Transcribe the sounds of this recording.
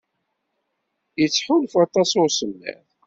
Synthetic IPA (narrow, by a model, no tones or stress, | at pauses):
jət͡sːħulfɑt̪ˤɑsʊɾsəmːæ̰θ